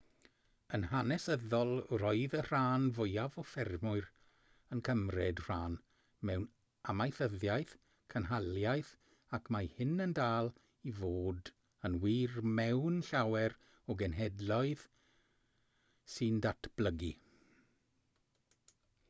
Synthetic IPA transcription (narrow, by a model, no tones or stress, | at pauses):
ənhanɛsəðɔlˠrɔɨðər̥aːnvʊjavɔfɛrmʊɨr | ənkʰəmrɛdr̥aːn | mɛwn | amajθəðjajθ | kʰənɦalˠjajθ | akʰmahɪnəndaːlˠ | ivoːd | ənwiːrmɛwnɬawɛɾ | ɔɡɛnɦɛdlˠɔɨð | sɨndatʰb̥ləɡḭ